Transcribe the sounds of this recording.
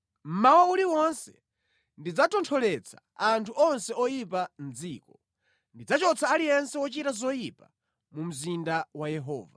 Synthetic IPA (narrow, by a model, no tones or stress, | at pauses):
m̩mawauliwɔnsɛ | ndid͡zatɔntʰɔlɛt͡sʰḁ | antʰuʔɔnsɛɔjip̬anziːkɔ | ndid͡zat͡ʃɔt͡saːlijɛnsɛwɔt͡ʃitazɔjipa | mum̩zindawajɛɦɔ̰ːva̰